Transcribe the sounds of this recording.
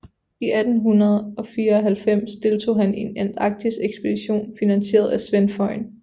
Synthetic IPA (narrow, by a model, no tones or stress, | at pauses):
iʔæd̥n̩ɦunɐð̞ˠɒ̽fiːɐɒɦælfem̰sd̥e̝lt͡sʰo̝̰ːhæne̝nen̰d̥ɑ̈ɡ̥̚d̥ʰiseɡ̥sb̥e̝d̥iɕo̝̰ːnfinænse̝̰ːɐð̞̩ˠæsʋenfɒ̽ɪ̰n